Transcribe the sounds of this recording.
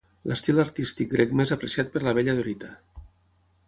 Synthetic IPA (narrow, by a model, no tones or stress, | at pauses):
lʔə̰st̪ilaɾt̪ist̪ik̚ɡɾekmezapɾesiat̪̚pəɾlaβeʎəðoɾit̪a